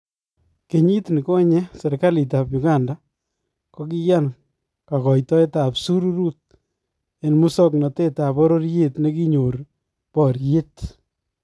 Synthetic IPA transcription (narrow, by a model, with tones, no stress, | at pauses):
ke˨ɲi˦tni˨kɔ˦ɲɛ˦se˨ɾka˦li˨t̬a˨pjʊ˨ka˦nda˦ | ko˦k̬i˦ja˦n | ka˨kɔ˨jtɔ˦e˦ta˨psu˦ɾu˦ɾu˦t̚ | e˨nmu˦sɔ˦knɔ˨te˦ta˨pɔ˦ɾo˦ɾje˦tne˦ki˦ɲo˨ɾ | pɔ˨ɾje˦t